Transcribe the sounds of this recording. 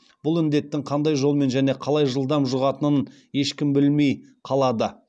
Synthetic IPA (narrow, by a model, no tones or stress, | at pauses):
b̥ʊlˠɪnd̪e̞t̪ːɪŋqʰɑnd̪ɑjʒo̞lˠme̞nʒæne̞qʰɑlˠɑjʒəlˠd̪ɑmʒʊʁɑt̪ənən | je̞ʃkʲɪmbɪlme̞jqʰɑlˠɑd̪ə